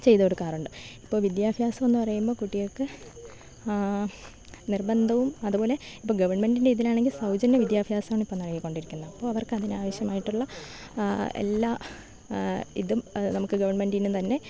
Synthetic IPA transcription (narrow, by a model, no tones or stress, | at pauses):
t͡ɕe̞jðo̞ːɽukaːruɳɖɨipːo̞ːlʋid̪jaːbʱjaːsɐme̞nːɨpɐrɐjumbo̞ːkuʈːijokɨ | nirbɐnd̪ʱɐʋumɐðupoːle̞ipːoːɡɐʋɐrɳme̞nɖindeiðilaːɳe̞ŋɡilsɐwd͡ʑɐnːɐʋid̪jaːbʱjaːsɐaːɳumipːoːmnɐɭɐkilko̞ɳɖiɾikʲːunːɐɐpːo̞ːɐʋɐrkɨɐðinaːʋɐɕjɐmaːjiʈːuɭːɐ | ḛlːaː | ḭðumnɐmukːɨɡɐʋɐrɳme̞ndinːumt̪ɐnːe̞